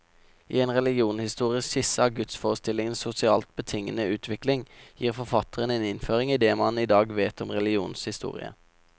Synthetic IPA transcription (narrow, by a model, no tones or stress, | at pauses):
ḭːeːnʁɛlɪɡɪuːnhɪst̪uːʁɪəssɪsəɑːɡʉt̪sfoːʁəst̪ɪlɪŋənsʊsɪɑːlt̪̚bət̪ʰɪŋənəʉːt̪ʰʋɪklɪŋjiːʁfɔʁfɑt̪ʰəʁəneːnɪnføːʁɪŋiːd̪eːmɑnid̪ɑːɡʋeːt̪ɔmʁɛluːnshɪst̪ṵːʁɪ̰ə̰